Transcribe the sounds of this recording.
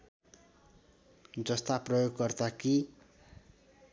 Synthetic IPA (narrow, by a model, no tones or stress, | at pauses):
d͡zʌst̪aprʌjoɡːʌrt̪aki